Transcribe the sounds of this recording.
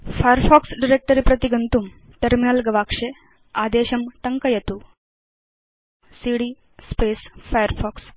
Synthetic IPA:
fajəɾfɔksɖiɾek̚ʈəɾiːpɾɐt̪iɡənt̪uːm | ʈɐɾminəlɡɐʋakʂe | ad̪eɕɐmt̪ɐŋkəjet̪uː | siɽiː | spesfajəɾfɔks

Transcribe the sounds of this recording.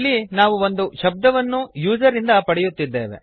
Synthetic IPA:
lːinaːʋuo̞nd̪uʃɐb̚d̪ɐʋɐnːujuːd͡ʒɐɾind̪ɐpɐɽɛjut̪ːid̪ːe̞ːʋe̞̰

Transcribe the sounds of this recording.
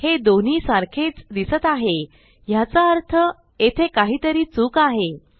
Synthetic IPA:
hed̪on̤iːsaɾkʰet͡sd̪isət̪aɦe | jat͡saəɾt̪ʰə | et̪ʰekaɦiːt̪əɾiːt͡suːkaɦe

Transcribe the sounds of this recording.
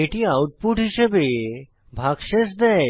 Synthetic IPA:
eʈiawʈ̚puʈɦiʃebe | bʱaɡʃeʃd̪ɛe

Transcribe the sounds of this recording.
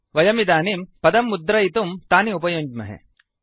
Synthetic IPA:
ʋɐjɐmid̪aːnimpɐd̪ɐmːud̪ɾɐit̪umt̪aːniupɐjoːɲd͡ʒmɐ̰ɦḛ

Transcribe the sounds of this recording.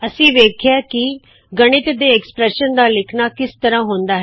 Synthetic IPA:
əsĩːʋeːkʰjaːkɪ | ɡəɽ̃ɪt̪d̪eːɛkspɾɛːʃənd̪aːlɪkʰnaːkɪst̪əɾãːɦõːnd̪aːɦɛː

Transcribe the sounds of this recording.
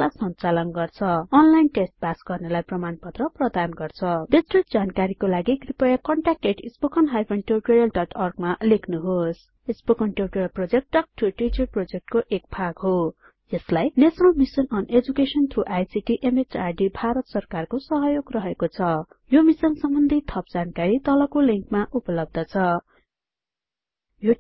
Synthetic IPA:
lasʌnt͡salʌnɡʌrt͡sʰʌːnlajnʈesʈ̚basɡʌrnelajprʌmanpʌt̪rʌprʌd̪anɡʌrt͡sʰʌd̪esriʈ̚d͡zankaɾikolaɡiɡripʌjakʌɳʈak̚eʈispokʌnɦajpʰʌnʈeriʈoɾjʌlɖʌʈʰʌrɡmalekʰnuɦos | isbokʌnʈeriʈorjʌlprod͡zek̚ʈːʌkʈiʈit͡ʃʌrprod͡zek̚ʈkoʔekbʰʱaɡɦo | d͡zʌslajnesʌnʌlmisʌnʌned͡zukesʌnt̪ʰruʔajsiʈiʔemet͡sarɖibʱaɾʌt̪sʌrkarkosʌɦʌjoɡrʌɦekot͡sʰʌ | jomisʌnsʌmbʌnd̪ʱit̪ʰʌp̚d͡zankaɾit̪ʌlʌkoliŋkmaʔupʌlʌb̚d̪ʱʌt͡sʰʌ | jo

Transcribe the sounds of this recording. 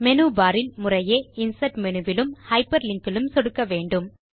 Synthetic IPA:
mɛnuːbaːɾɪlmʊrɐjeːɪnsɐʈmɛnɯʋɪlɯmhɐɪpːɐɾlɪŋkɪlɯmsɔɽɯkːɐʋeːɳɖɯm

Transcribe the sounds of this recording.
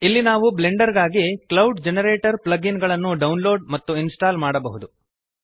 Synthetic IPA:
ilːinaːʋubleɳɖɐɾɡaːɡiklɐwɖd͡ʒenɐɾeːʈɐɾplɐɡinɡɐɭɐnːuɖɐwnlo̞ːɖmɐt̪ːuinsʈaːlmaːɽɐbɐɦud̪u

